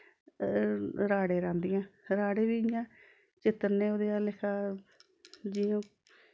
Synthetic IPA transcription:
ɾaːɽeːɾãːnd̪ɪːãːɾaːɽeːʋiːɪjãː | t͡ʃɪt̪ːəɾnẽːoːd̪eːaːlɪkʰaː | d͡ʒiːõː

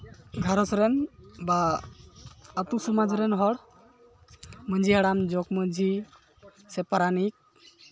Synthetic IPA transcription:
ɡʱaɾɔsɾenba | t̪usumad͡zɾenɦɔɽ | mənd͡ʒʱiɦaɽamd͡ʒɔkmənd͡ʒʱi | sepaɾanik̚

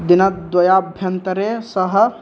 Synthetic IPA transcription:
d̪inət̪̚d̪wɔjabʱjɐnt̪ɾesəɦ

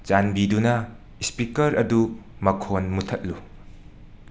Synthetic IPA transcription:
t͡ʃanbidunɐ | spikɐɾɐdumɐkʰonmutʰɐt̚lu

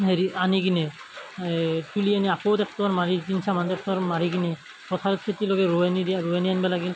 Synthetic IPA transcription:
ɦeɾianiɡinɛ | tulianiakɔwtɛp̚tɔaɹmaɹikinsamandɛp̚tɔaɹmaɹiɡinɛ | pɔtʰaɾɔtsʰetilɔɡɛɹuɛnidiɹuenijanbalaɡi

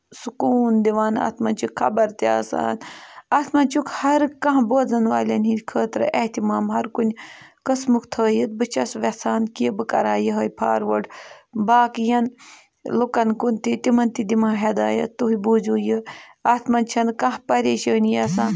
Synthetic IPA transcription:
sukuːnd̪iʋaːna̰ːt̪mɐnt͡ʃʰukkʰɐbɐɾt̪iaːsa̰ːnaːt̪ʰmɐnt͡ʃukʰhɐɾkɐ̃ɦboːd͡zɐnʋaːlʲɐnikʰəːt̪ɾɨʔɐht̪imaːmɦɐɾkunʲkɐsmukʰt̪ʰəːjɨt̪̚bɨt͡ʃɐsʋɐsaːnkiəbɨkɐ̰ɾaːjiɦɐːjpʰa̰ːɾʋəɖbaːkjɐn | lukɐnkunt̪it̪imɐnt̪id̪imaːɦɐd̪aːjɐ̰t̪t̪ːuɦibuːd͡ʒuːjiaːt̪mɐnt͡ʃʰɐnkɐ̃ɦpɐɾeːʃəːnjɐsaːn

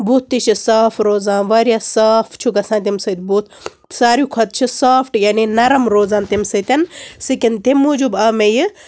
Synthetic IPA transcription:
buːt̪̚ʰːit͡ʃʰisaːpʰɾoːzaːnʋɐɾʲjaːsaːpʰt͡ʃʰuɡɐsãːnt̪̬imsɐt̪buːt̪̚ʰ | saːɾjukʰɐt̪̚t͡ʃʰisaːpʰʈjaːninɐɾɐmɾoːzaːnt̪imsɐt̪ɐnsɨkint̪imːud͡ʒubɐmejɨ

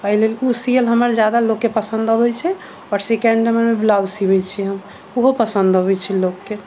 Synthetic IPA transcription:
kəɦilelusijəlɦəməɾd͡ʒjad̪alokːepəsə̃nd̪əbɛt͡ʃʰɛ | ɔɾsikɛɳɖəmənmeblabsibɛt͡ʃʰɛɦəm | uɦopəsənd̪ʱəbɛt͡ʃʰɛlokːe

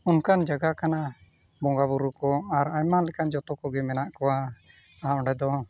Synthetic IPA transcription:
unkand͡ʒaɡakana | bɔŋɡabuɾukɔaɾajmalɛkand͡ʒɔt̪ɔkɔɡɛmɛnaʔkɔa | aʔɔ̃ɖɛd̪ɔ

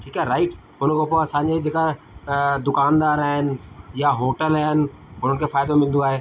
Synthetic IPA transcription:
ʈʰiːkaːɾaːɪʈ | ɦʊnəkʰoːpoɐsãːɲd͡ʑed͡ʑeːka | d̪ʊkaːnd̪aːɾaːɦɪnɪ̆jaɦoːʈəlaːɦɪnɪ̆ | ɦʊn̤ənɪkʰeːfaːɪd̪omɪlə̃nd̪oaːɦeː

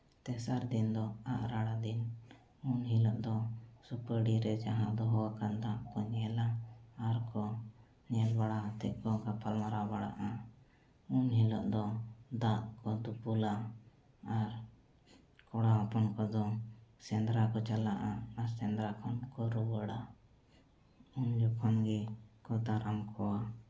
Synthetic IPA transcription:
t̪ɛsaɾd̪ind̪ɔaʔɾaɽad̪in | unɦilɔʔd̪ɔsupəɽiɾɛd͡ʒaɦãʔd̪ɔɦɔwakand̪aʔkɔɲɛlaːɾkɔ | ɲɛlbaɽat̪ɛʔ̚kɔɡapʰalmaɾabaɽa̰ʔa | unɦilɔʔd̪ɔd̪aʔkɔd̪upulaː | ɾ | kɔɽaapɔnkɔd̪ɔsɛnd̪ɾakɔt͡ʃalaʔaaɾsɛnd̪ɾakʰɔnkɔɾubəɽa | und͡ʒɔkʰɔnɡɛkɔd̪aɾamkʰɔwa

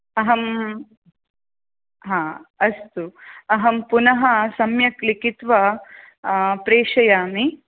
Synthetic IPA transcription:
ɐɦɐm | ɦãːɐst̪uɐɦɐmpunɐɦɐsɐmjɐklikit̪ʋɐ | pɾeːʂɐjaːmi

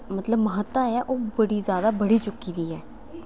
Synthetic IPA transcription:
mət̪ləbməɦət̪ːãːɛːʔoːbəɽiːzjaːd̪aːbəɽiːt͡ʃʊkːiːd̪iːɦɛː

